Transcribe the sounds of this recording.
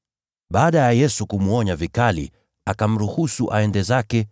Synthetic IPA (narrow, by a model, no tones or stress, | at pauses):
ɓaːɗajajɛsukumuɔɲavikalḭ | akam̩ɾuhusuʔaɛndɛzakɛ